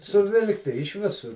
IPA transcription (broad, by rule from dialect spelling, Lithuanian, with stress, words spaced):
sʊˈʋʲɪlˠktʲɪ ɪʃ ˈʋʲɪsʊr